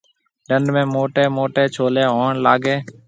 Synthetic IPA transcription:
ɖəɳɖʱmẽːmoːʈeːmoːʈeːt͡ʃʰoːleːɦoːɳlaːɡeː

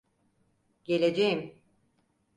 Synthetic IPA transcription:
ɟ̥e̞lʲe̞d͡ʒejim

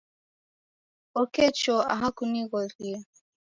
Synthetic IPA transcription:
ɔkɛt͡ʃɔa̰ɦakuniɣɔɾi

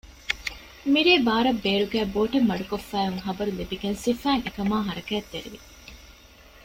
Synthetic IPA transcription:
miɾeːbaːɾɐbːeːɾuɡæːboːʈemːɐɖukofːæːɦuŋɦɐbɐɾulibiɡensifæːŋekɐmaːɦɐɾɐkæːt̪ːeɾiʋi

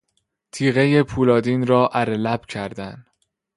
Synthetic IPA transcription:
t̪ʰiːɣeje̞pʰuːlɒːd̪iːnɾɒːʔæɾelæb̥cʰæɾd̪æn̥

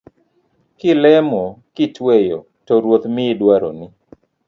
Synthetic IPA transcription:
kɪlɛmokɪtwejo | tɔɾwot̪mɪːdwaɾo̰nɪ

